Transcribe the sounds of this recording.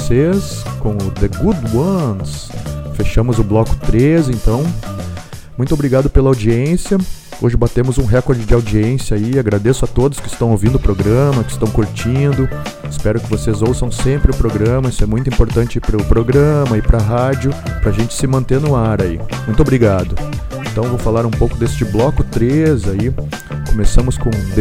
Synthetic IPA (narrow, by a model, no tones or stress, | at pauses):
seskõʊd̪eɡud̪wɐ̃nsfeʃɐ̃mʊzʊblɔkʊ̥t̪ɾezɪẽnt̪ɐ̃w̃ | mũj̃t̪ʊobɾiɡad̪ʊpelɐawd͡ʒiẽsjɐ | oʒɪbat̪ẽmʊzũɦɛkoɾd͡ʒɪd͡ʒɪawd͡ʒiẽsjɐaiaɡɾad̪esʊat̪od̪ʊskɪ̥st̪ɐ̃w̃owvĩnd̪ʊpɾoɡɾɐ̃mɐkɪ̥st̪ɐ̃w̃kuɾt͡ʃĩnd̪ʊ | ɪspɛɾʊkɪvosezowsɐ̃w̃sẽmpɾɪʊpɾoɡɾɐ̃mɐisʊɛmũj̃t̪ʊĩpoɾt̪ɐ̃nt͡ʃɪipɾʊpɾoɡɾɐ̃mɐipɾaɦad͡ʒʊpɾɐʒẽnt͡ʃɪ̥sɪmɐ̃nt̪eɾnʊaɾaḭmũj̃t̪ʊobɾiɡad̪ʊ | ẽnt̪ɐ̃w̃vowfalaɾũpowkʊd̪est͡ʃɪblɔkʊt̪ɾezai | komesɐ̃mʊskõd̪